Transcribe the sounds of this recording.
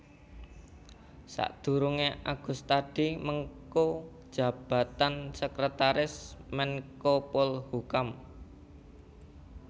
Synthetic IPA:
sa̰ʔd̪̥ṳɾuŋeʔaɡ̥ṳst̪ad̥i̤məŋkod̥ʒ̥ä̤b̥a̤t̪ansəkɾət̪aɾɪsmɛnkopɔlhukam

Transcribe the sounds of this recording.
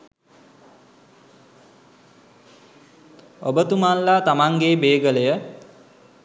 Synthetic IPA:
o̰bət̪umanːat̪amaŋɡebeːɡələjə

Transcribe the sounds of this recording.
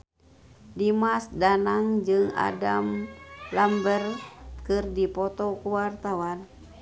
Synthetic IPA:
dimasdanaŋd͡ʒɨŋa̰damlambərkɨrdipɔt̪ɔkuwart̪awan

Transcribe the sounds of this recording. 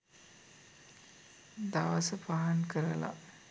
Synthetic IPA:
d̪aʋəsəpaɦankəɾəla̰

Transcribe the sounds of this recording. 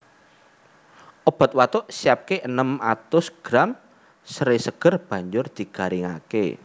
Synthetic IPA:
ʔɔb̥a̤t̪̚wat̪ʊʔsiap̚keʔənəmat̪ʊsɡ̥ɾam | səɾesəɡ̥ə̤rb̥ä̤ɲd͡ʒʊrd̪̥i̤ɡ̥a̤ɾiŋa̰kḛ

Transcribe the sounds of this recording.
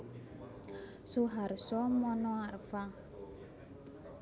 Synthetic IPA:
suɦarsɔmɔnɔarfa

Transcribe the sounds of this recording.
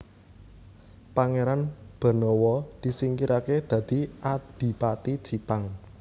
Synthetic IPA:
paŋeɾanb̥ə̤nɔwɔd̪̥i̤siŋkiɾaked̪̥ä̤d̪̥i̤ʔad̪̥i̤pat̪id̥ʒ̥i̤paŋ

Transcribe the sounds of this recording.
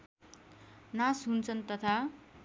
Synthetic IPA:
nasɦunt͡sʰʌnt̪ʌt̪ʰa

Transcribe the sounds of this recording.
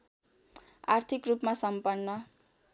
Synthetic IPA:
art̪ʰikrupmasʌmpʌnːʌ

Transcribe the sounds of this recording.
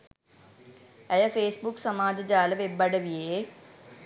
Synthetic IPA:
ɐjɐpʰeːsbuksɐmaːd͡ʒɐd͡ʒaːlɐʋebːɐɽɐʋijeː

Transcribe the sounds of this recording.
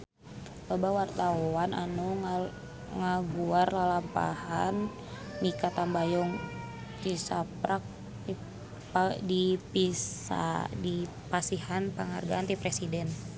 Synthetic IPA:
babawart̪aana̰nu | ŋaɡuarlalampa̰hanː | ikat̪ambajɔŋ | t̪isapɾʔak̚ | dipisa̰di | pasihanpəŋa̰rɡaant̪ipɾɛsidɛn

